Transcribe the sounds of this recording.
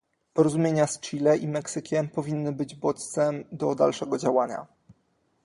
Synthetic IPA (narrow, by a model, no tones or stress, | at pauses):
pɔɾɔzumʲjeɲast͡ʂilɛʔimɛksɘkʲʰɛmpɔvʲinːɘbɘd͡ʑbɔt̪t̪sɛmd̪ɔd̪alʂɛɡɔd͡ʑawaɲa̰